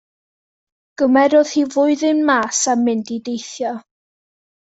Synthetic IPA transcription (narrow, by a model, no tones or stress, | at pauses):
ɡ̥əmɛɾʊð̥hivʊɨðɪnmaːsamɪndidejθjɔ